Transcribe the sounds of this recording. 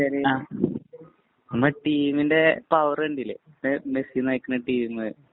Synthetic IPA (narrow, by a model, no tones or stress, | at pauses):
ɐɾiaː | nɐmɐʈːiːminde̞pɐʋɐreɳɖilːe | emesinɐjikʲːunɐʈiːmɨ